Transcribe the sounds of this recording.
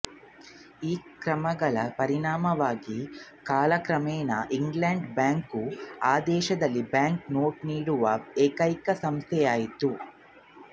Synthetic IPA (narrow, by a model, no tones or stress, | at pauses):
iːkɾɐmɐɡɐɭɐpɐɾiɳaːmɐʋaːɡikaːlɐkɾɐmɛːnɐ̰ʔiŋɡleɳɖbaːŋkuaːd̪ɛːʃɐd̪ɐlːibjaːŋknoːʈniːɽuʋɐeːkɐjkɐsɐmst̪ʰɛjaːjit̪u